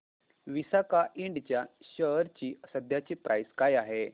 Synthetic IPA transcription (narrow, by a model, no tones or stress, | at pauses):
ʋisakaʔiɳɖt͡ɕja | ɕəɾt͡ɕiːsəd̪ʱjat͡ɕiːpɾʔajskajaɦe